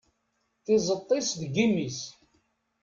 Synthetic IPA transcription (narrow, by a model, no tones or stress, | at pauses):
θɪzˤət̪ˤːɪsðɡimːis